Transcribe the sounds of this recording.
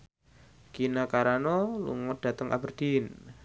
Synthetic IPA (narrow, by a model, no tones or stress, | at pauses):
kinakaɾanɔlṵŋɔd̥a̤t̪əŋʔa̰bərd̪̥in